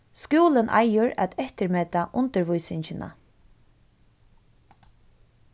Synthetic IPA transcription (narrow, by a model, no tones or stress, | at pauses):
skuːlənʔa̰jʊɾæ̰t̪ɛht̪əɾmɛːt̪aʔʊnt̪əɾvʊjsɪɲt͡ʃɪnʔa̰